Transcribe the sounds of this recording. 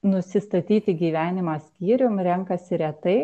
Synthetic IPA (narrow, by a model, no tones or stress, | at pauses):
nʊsʲɪst̪ɐt̪ʲiːt̪ʲɪɡʲiːʋʲæːnʲɪmɑːsʲkʲiːɾʲʊmɾʲɛŋkɐsʲɪɾʲɛt̪ɐɪ